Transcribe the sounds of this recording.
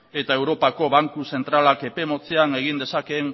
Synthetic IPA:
e̞t̪ae̞wɾo̞pako̞βaŋkuse̞nt̪ɾalake̞pe̞mo̞t͡seane̞ɣ̞ind̪esake̞ŋ

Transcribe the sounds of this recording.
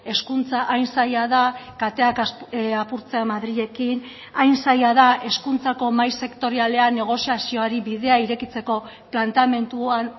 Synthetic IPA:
e̞skunt͡saʔːjnsajaðakat̪e̞akaapuɾt͡se̞amaðɾiʎe̞kin | ajnsajaðaʔe̞skunt͡sako̞majse̞kt̪o̞ɾiale̞ane̞ɣ̞o̞siasio̞aɾiβiðe̞aiɾe̞kit͡se̞ko̞ | plant̪ame̞nt̪uan

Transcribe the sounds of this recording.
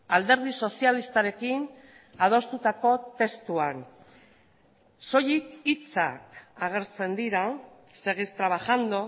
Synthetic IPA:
ald̪e̞ɾðiso̞sialist̪aɾe̞kin | að̞o̞st̪ut̪ako̞t̪e̞st̪uan | so̞jikit͡sa̰kaɣ̞e̞ɾt͡se̞nd̪iɾa | se̞ɣist̪ɾaβaxand̪o

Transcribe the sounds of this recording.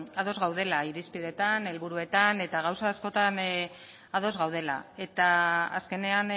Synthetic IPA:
aðo̞zɣawð̞e̞laiɾispiðe̞t̪ane̞lβuɾue̞t̪ane̞t̪aɣ̞awsaːsko̞t̪an | aðo̞zɣawð̞e̞la̰e̞t̪aa̰ske̞ne̞an

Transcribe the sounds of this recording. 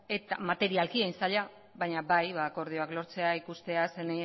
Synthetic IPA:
e̞t̪amat̪e̞ɾialkiejnsaʎa | βajɲabajβako̞ɾð̞io̞aklo̞ɾt͡se̞aikust̪e̞asene

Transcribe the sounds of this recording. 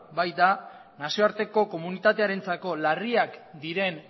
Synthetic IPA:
bajt̪a | nasio̞aɾt̪e̞ko̞ko̞munit̪at̪e̞aɾe̞nt͡sako̞lariakd̪iɾe̞n

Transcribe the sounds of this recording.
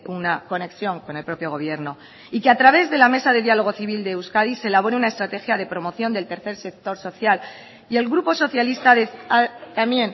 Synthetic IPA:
unako̞ne̞ksjo̞ŋko̞ne̞lpɾo̞pjo̞ɣ̞o̞βje̞ɾno̞ | ikeat̪ɾaβe̞zðe̞lame̞saðe̞ðjalo̞ɣ̞o̞θiβ̞ild̪ewskaðise̞laβo̞ɾeunaest̪ɾat̪e̞xjaðe̞pɾo̞mo̞θjo̞nd̪e̞lt̪e̞ɾθe̞ɾse̞k̚t̪o̞ɾso̞θjal | ie̞lɣɾupo̞so̞θjalist̪aðeat̪amje̞n

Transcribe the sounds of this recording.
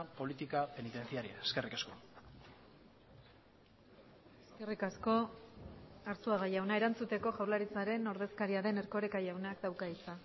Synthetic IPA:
po̞lit̪ikape̞nit̪e̞nt͡siaɾia̰eskerikasko̞ | eske̞rikasko̞ | aɾt͡suaɣ̞ajawnae̞ɾant͡sut̪e̞ko̞ʝawlaɾit͡saɾe̞no̞ɾðe̞skaɾiaðe̞ne̞ɾko̞ɾe̞kajawnakd̪awkait͡sa

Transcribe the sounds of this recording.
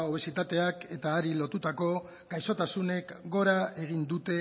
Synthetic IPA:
oβ̞e̞sit̪at̪e̞ake̞t̪aːɾilo̞t̪ut̪ako̞ | ɡ̥ajso̞t̪asune̞kɡo̞ɾae̞ɣ̞ind̪ut̪e̞

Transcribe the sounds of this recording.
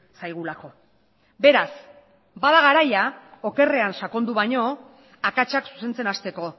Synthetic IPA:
sajɣ̞ulako̞ | be̞ɾas | baðaɣ̞aɾajao̞ke̞re̞ansako̞nd̪uβaɲo̞ | akat͡ʃaksu̥se̞nt͡se̞nast̪e̞ko̞

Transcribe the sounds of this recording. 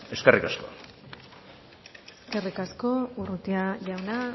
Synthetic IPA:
e̞skerʔikasko̞̰ | eske̞rikasko̞urut̪iaʝawna

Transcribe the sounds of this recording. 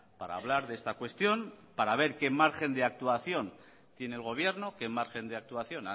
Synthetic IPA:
paɾa̰ːβ̞laɾðe̞st̪akwe̞st̪jo̞npaɾaβ̞e̞ɾke̞maɾxe̞nd̪eak̚t̪uaθjo̞n | t̪je̞nelɣ̞o̞β̞je̞ɾno̞ke̞maɾxe̞nd̪eak̚t̪uaθjo̞na

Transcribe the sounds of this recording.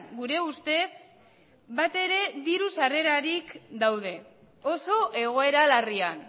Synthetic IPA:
ɡuɾe̞ust̪e̞s | bat̪e̞ɾe̞ðiɾusare̞ɾaɾikd̪awðe̞ | o̞so̞ʔe̞ɣ̞o̞e̞ɾalarian

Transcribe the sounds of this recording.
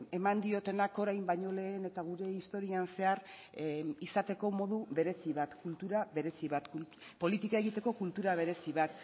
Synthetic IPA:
e̞mand̪io̞t̪e̞nako̞ɾajmbaɲo̞le̞ːne̞t̪aɣ̞uɾe̞ist̪o̞ɾianse̞aɾ | isat̪e̞ko̞mo̞ðuβe̞ɾe̞siβat̪kult̪uɾaβe̞ɾe̞siβat̪ku | po̞lit̪ikae̞ɣit̪e̞ko̞kult̪uɾaβ̞e̞ɾe̞siβ̞at̪

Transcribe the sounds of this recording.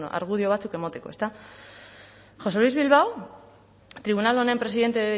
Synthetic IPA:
a̰ɾɣuðio̞βat͡suke̞mot̪e̞ko̞e̞st̪a | xo̞selwizβilβaw | t̪ɾiβ̞unalonempɾe̞siðe̞nt̪e

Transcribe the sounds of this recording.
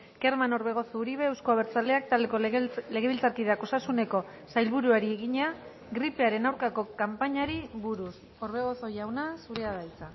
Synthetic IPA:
ke̞ɾmano̞ɾβe̞ɣ̞o̞θouɾiβe̞ːwskoaβeɾt͡sale̞ak̚t̪ald̪eko̞le̞ɣ̞e̞βilt͡saɾkiðako̞sasune̞ko̞ | sajlβuɾuaɾieɣiɲea | ɡɾipe̞aɾe̞nawɾkako̞kampaɲaɾiβuɾus | o̞ɾβe̞ɣ̞o̞θo̞ʝawnasuɾeaðajt͡sa

